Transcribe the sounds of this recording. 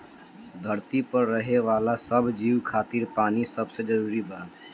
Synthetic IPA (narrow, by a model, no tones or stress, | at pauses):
d̪ʱəɾt̪ipəɾːəɦeʋaːlasəbd͡ʒiːʋkʰaːt̪iɾpaːnisəbsed͡ʒəɾuːɾibəɾa